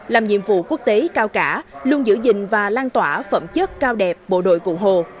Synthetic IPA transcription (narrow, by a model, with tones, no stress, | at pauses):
laː˨˩mɲḭ˧˨əmvṵ˧˨ku˦˥ək̚t̪e˨˦kaː˧wkaː˧˩lu˧ənzɨ̰˧˥zï˨˩ŋ̟vaː˨˩laː˧nt̪waː˧˩fə̰˧˩mt͡ɕə˦˥t̚kaː˧wɗɛ˨˩p̚ɓo̰˧˨ɗo̰˧˨jkṵ˧˩ɦo˨˩